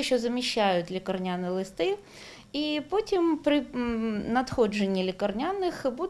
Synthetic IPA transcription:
ɪʃɔzɐmʲiɕːajʊt̪ʲlʲikɐrnʲanɪlˠɪst̪ɪ | ipotʲimpɾɪnɐt̪xɔd͡ʒenʲːilʲɪkɐrnʲanːɪxbud̪

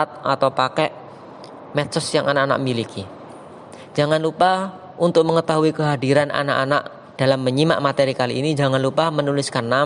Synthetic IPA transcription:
at̪̚ʔat̪awpakɛʔ | mɛt̪sʊsjaŋʔanaʔana̰ʔ̚milikʰi | d͡ʒaŋanlupa | unt̪ʊk̚məŋət̪aɦuikəɦadiɾanʔa̰na̰ʔanaʔ | d̥alamːəɲima̰ʔmat̪eɾikaliːnid͡ʒaŋanlupahmənulɪskanːa

